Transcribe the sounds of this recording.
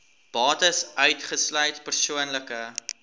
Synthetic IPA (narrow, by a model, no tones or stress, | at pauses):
b̥ɑːtəsœɥtχəslœɥtpərsuənləkə